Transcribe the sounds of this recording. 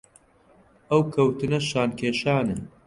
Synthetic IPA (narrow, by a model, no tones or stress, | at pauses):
ɐwkʰɐwt̪ɨnɐʃaːnkʲʰeːʃaːnɐ